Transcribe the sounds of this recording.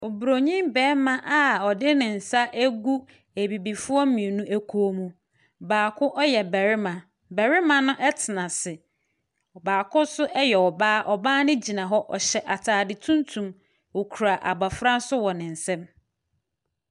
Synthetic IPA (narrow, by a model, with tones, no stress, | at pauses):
o˨bu˨ɾo˨ɲĩ˦mbɛː˨˦mã˦ʔa˨ɔ˨dɪ˦nɪ̃˨n̩˨sa˦ʔæ˦ɡu˦ | æ˨bi˨bi˨fʊ˦ɔ˦mĩ˨e˨nũ˦ʔæ˦kʰoː˦mũ˦ | baː˨kʰʊ˦ʔɔ˦jɛ˨bɛ˨ɾɪ˦mã˨ | bæ˨ɾɪ˦mã˨nʊ̃˦ʔɛ˦tʰɪ˨nã˨sɪ˨ | ɔ˨baː˨kʰʊ˦sʊ˦ʔɛ˦jɛ˨ɔ˨baː˦ʔɔ˨baː˦nɪ̃˦d͡ʑi˨nã˨ɦɔ˦ʔɔ̰˨ɕɛ˨ʔa˨tʰaː˨dɪ˨tʰũ˦ntʰũ˨m | ɔ˨kʰu˨ɾa˨ʔa̰˨ba˨fɾa˦n̩˦sʊ˦wɔ˨nɪ̃˨n̩˨sɛ̃˦m